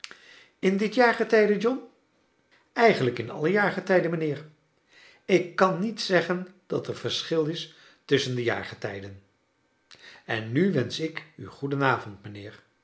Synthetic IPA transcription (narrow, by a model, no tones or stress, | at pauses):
ɪndɪtjaːɹχətɛjdəd͡ʒɔn | ɛjχənləkɪnɑ̰ləjaːɹχətɛjdənmənɪːɹ | ɪkːɑnːitsɛχənd̥ɑtəɹv̥əɹsχɪlˠɪs | tɵsəndəja̰ːɹχətɛjdən | ɛnːyʋɛnsɪky̰χudənaːvɔntmənɪːɹ